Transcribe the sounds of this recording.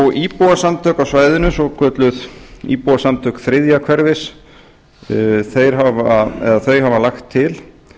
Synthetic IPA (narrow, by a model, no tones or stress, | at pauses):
ɔɣipuwasamt̪ʰœːkawsvaːjðɪnʏsɔkʰœːt̪lʏðḭpuwasamt̪ʰœkθɾɪðjakʰvɛɾvɪs | θejɾ̥ɦavɛðaθœɥɦavalaxt̪ʰːɪl